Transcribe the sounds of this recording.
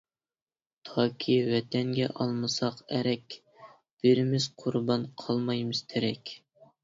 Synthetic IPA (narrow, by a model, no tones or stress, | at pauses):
t̪ʰɑːkʲʰiwɛt̪ʰɛnɡʲɛ̰ʔɑlˠmɨsɑqɛɾɛkʲ | b̥ɪɾɪmɪz̥qʰʊɾbɑnqʰɑlˠmɑjmɨz̥t̪ʰɪɾɛkʲ